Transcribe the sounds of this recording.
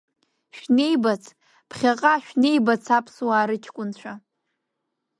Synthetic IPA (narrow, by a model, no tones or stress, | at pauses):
ʃᶣne̞jbat͡sʰʼ | pʰχʲaqʼaʃᶣne̞jbat͡sʰapʰswaːɾɨt͡ʃʲʰkʷʼʊnt͡ɕʷʰa